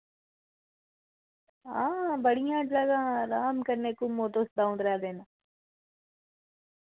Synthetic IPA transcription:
ãːbɐɽijãːʈlaːɡaɾaːmkɐɾnekumoːʈ̪oːsd̪aːũnd̪ɾɐaːd̪eːna

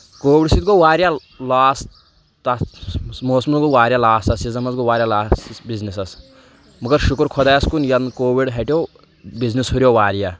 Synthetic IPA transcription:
koːwiɽsit̪̚ɡowaːɾja | laːs | t̪ɐmoːsmɐnɡowaːɾjalaːstɐsizɐmɐzɡowaːɾʲjalaːsbiznisɐs | mɐɡɐɾʃukɾkʰɔd̪ajɐskunjɐnkoːwiɖɦɐʈʲjo | biznishuɾʲjowaːɾija

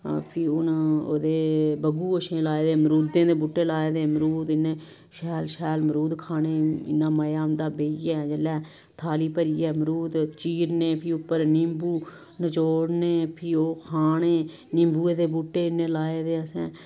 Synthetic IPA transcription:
pʰiːʊno̰ːd̪eːbəɡuːəʃẽːlaːeːd̪eːmɾuːd̪ẽːd̪eːbuːʈːeːlaːeːd̪eːməɾuːd̪ɪnẽː | ʃɛːlʃɛːlməɾuːd̪kʰaːneːɪ̰nːãːməjaːnd̪aːbeːiːɛːd͡ʒəlːɛː | t̪ʰaːliːpəɾiːɛːməɾuːd̪t͡ʃiːɾneːpʰiːʊpːəɾnɪmbuː | nət͡ʃoːɽneːpʰiːoːkʰaːneː | nɪ̃mbuːeːd̪eːbuːʈːeːɪnːẽːlaːeːd̪eːəsɛ̰̃ː

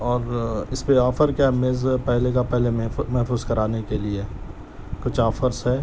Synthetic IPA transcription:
ɔːɾɪspeɔːfəɾkameːzpɛɦlekapɛɦlemɛɦfuːzkɐɾaːnekeliee | kʊt͡ʃʰɔːfəɾsɦɛː

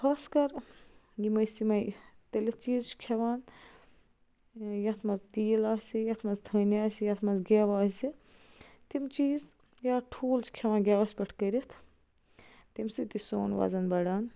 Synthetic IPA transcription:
kʰaːskɐɾ | jimɐjsimɐjt̪ɐlʲɐt͡ʃiːzt͡ʃʰkʰeʋaːn | jɐt̪ʰmɐzt̪iːlaːsijɐt̪ʰmɐzd̪ʱɐnaːsijɐt̪ʰmɐzɡeʋaːsi | t̪imt͡ʃiːz | jaːʈʰuːlt͡ʃʰi̥kʰeʋãːnɡʲaʋɐsʲpʲɐʈʰkəɾit̪ʰ | t̪imsit̪iso̰ːnʋa̰ːzɐnbɐɽaːn

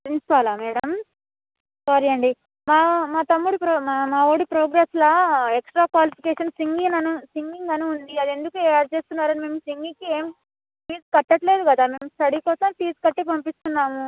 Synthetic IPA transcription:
pɾinsi̥paːlaːmɛːɽɐm | saːɾiɐɳɖi | maːmaːt̪ɐmːuɽupɾoamaːoːɽipɾoːɡɾaːslɐeksʈɾaːkʋaːlipʰikeːʂɐnsiŋɡinɐnusiŋɡiŋɡɐnuund̪iɐd̪e̞nd̪ukueːaːɾt͡ʃeːst̪unːaːɾɐnime̞ːmsiŋɡikie̞ːm | piːskɐʈːɐʈle̞ːd̪uɡɐd̪aːme̞ːmsʈɐɽikɔːsɐmpiːskɐʈːepɐmpist̪unːaːmu

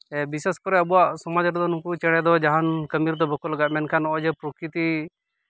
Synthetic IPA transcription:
biseskɔɾɛəbuwaʔsɔmad͡ʒɾd̪ɔnukut͡ʃɛɽ̃ɛd̪ɔd͡ʒaɦankəmiɾd̪ɔbʱɔkɔlaɡaʔ̪mɛnkʰanɔʔɔd͡ʒɛpɾɔkɾit̪i

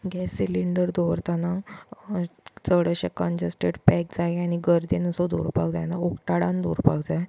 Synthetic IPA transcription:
ɡɛsːiliɳɖəɾd̪ɔʋɾt̪ana | t͡səɽəɕekənd͡ʑəsʈeɖpɛk̚d͡zajaɽ̃iɡəɾd̪enəsɔd̪ṵɾpa̰ɡd͡zajnaokʈaɽand̪ṵɾpaɡd͡zaj

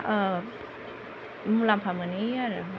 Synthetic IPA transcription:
mulampʰamaniaɾ

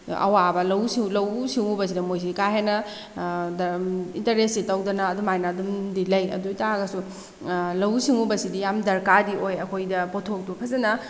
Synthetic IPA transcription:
ɐ̰wabɐlɐwsilɐwsiŋubɐs̬idɐmojs̬ikajɦenɐ | dintɐɾesitɐwdɐnɐːdumajnaːdumdilɐjɐ̰dutaɡɐsu | lɐwsiŋubɐsidijamdɐɾkadiʔojɐkʰojdɐpotʰok̚dupʰɐzɐnɐ

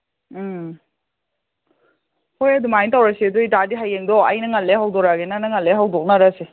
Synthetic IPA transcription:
hojɐdumajntawɾasiduitadiɦajeŋdɔɐjnɐŋalːeɦawdɔɾaɡenanɐŋalːeɦawdɔk̚naɾase

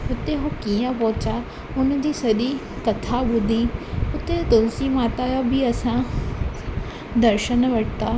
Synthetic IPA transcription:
ʊt̪eɦokijə̃pɔɦʊt͡ɕa | ʊnd͡ʑiːsɐɗi | kɐt̪ʰaɓʊd̪ʱiʊt̪et̪ʊnsimaːt̪ajobʱiɐsã | d̪ɐɾʃənʋɐʈʰt̪aː

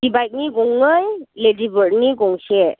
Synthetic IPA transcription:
d̥ibajk̚niɡɔŋɯjledibəɾniɡɔŋsɛ

